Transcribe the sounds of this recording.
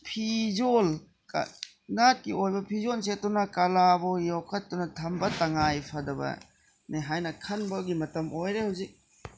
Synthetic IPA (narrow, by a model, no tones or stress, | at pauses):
pʰizol | k | nat̚kiojbɐpʰizolset̚ːunɐkɐlabɔjɔwkʰɐt̚ːunɐtʰɐmbɐtɐŋajpʰɐdɐbɐ̰ | neɦajnɐkʰɐnbɐɡimɐtɐmʔojɾehɐwzik̚